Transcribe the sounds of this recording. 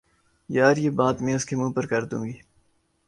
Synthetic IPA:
jaːɾjebaːt̪mẽːʊskemũːpɐɾkɐɾd̪ṵ̃ːŋɡiː

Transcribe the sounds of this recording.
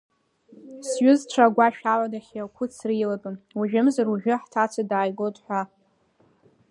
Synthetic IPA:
sɥʊzʈ͡ʂʷʰaɡʷaʃᶣaʕʷadaχʲiakʷʰʊt͡sʰriladʼɨnwuʒᶣɪmzaruʒᶣɪħtʰat͡sʷʰadaːjɡotʼħʷa

